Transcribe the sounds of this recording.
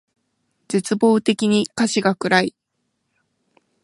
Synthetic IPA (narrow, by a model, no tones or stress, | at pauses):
d͡ʑet͡sɨbo̞ːt̪e̞kʲiɲ̟ikaɕiɡakɯ̟ɾai